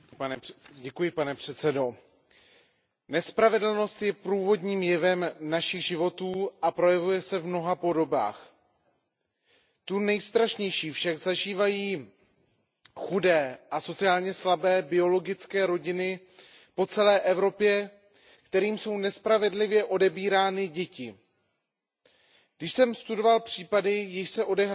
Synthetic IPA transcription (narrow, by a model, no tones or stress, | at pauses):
nɟɛkujɪpanɛpr̝̥ɛt̪t͡sɛdo̞ | nɛspɾavɛdl̩no̞st̪jɛpɾuːvo̞dɲiːmjɛvɛmnaʃɪɣʒɪvo̞t̪uːʔapɾo̞jɛvujɛsɛvmno̞ɦapo̞do̞ba̰ːx | t̪unɛjst̪ɾaʃɲɛjʃiːfʃaɡzaʒiːvajiː | xudɛːʔaso̞t͡sɪaːlɲɛslabɛːbɪo̞lo̞ɡɪt͡skɛːɾo̞ɟɪnɪ | po̞t͡sɛlɛːʔɛvɾo̞pjɛ | kt̪ɛɾiːmso̞wnɛspɾavɛdlɪvjɛʔo̞dɛbiːɾaːnɪɟɛcɪ | ɡdɪʃsɛmst̪udo̞valpr̝̥iːpadɪjɪʃsɛʔo̞dɛɦɾ